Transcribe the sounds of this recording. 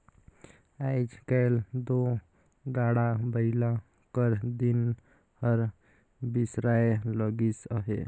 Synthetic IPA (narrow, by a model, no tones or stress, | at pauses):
ajd͡ʒkajld̪o | ɡaɽabəila | kəɾd̪in | həɾ | bisɾajləɡisəɦe